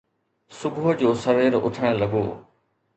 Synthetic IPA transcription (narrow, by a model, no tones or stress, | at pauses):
sʊɡʱʊd͡ʑoːsɐʋeːɾʊ̰ʈʰəɽ̃lɐɡo̰ː